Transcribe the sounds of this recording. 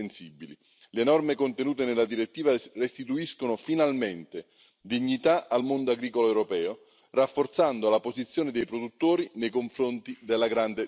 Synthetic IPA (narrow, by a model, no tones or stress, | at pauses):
ensibːili | lenɔrmekont̪enuːt̪enelːad̪iɾet̪ːiːvarest̪it̪uiskonʊfinalment̪e | d̪iɲːit̪aʔalmond̪oaɡɾiːkoloɛwɾopɛːo | rafːort̪sand̪oalapozit̪sːjoːned̪ejpɾod̪ut̪ːoːɾinejkoɱfɾont̪id̪elːaɡɾand̪e